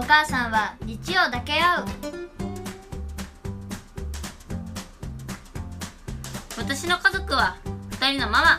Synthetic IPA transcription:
okaːsãɰ̃βaɾʲit͡ɕio̞ːd̪ake̞aɯ̟ | βat̪aɕino̞kazo̞kɯ̟βaɸɯ̟̥t̪aɾʲino̞mama

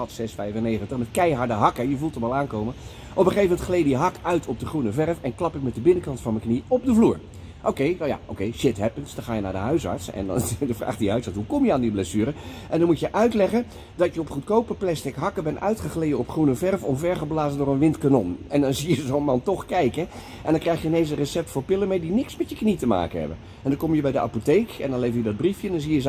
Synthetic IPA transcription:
ɑtsɛsfɛjvənejχəntəχmɛtkɛjɦɑɹdəɦɑkəjəvulˠtɔmɑlˠaːnkowmə | ʔɔpəχejvəmɛntχlejdijɦɑkœɥtʰɔb̚dəχrunəvɛɹfɛnklɑpɪk̚mɛtdəbɪnəkɑntfɑnməkniɔb̚dəvluːɹ | ʔowkejja̰ʔo̰wkejʃɪtɦɛpənsdɑ̃χaːjənaːɹdəɦœɥsɑ̰ɹtsɛ̰n̰dəvra̰ːχdiɦœɥsɑɹtsɦukɔmjəaːndiblesyːɾəʔɛndɑnmutjəʔœɥtlɛχən | dɑtjəɔpχutkowpəplɛstɪkɦɑkəbɛnʔœ̰ɥtχəχlejəɔpχrunəvɛrvɔmvɛɹχəblaːzəndʊːrənʋɪntkanɔnɛndɑnzijəzownmɑntɔχkɛjkə | ʔɛndɑŋkrɛjχjəɪnens̬ərəsɛp̚tfʊːɹpɪlənmejdinɪksmɛtjəknitəma̰ːkənɦɛ̰bə̰n | ɛndɑkɔmjəbɛjdəa̰potejkɛ̰ndɑnlejvəɹjədɑd̚brifjəndɑnzijəz

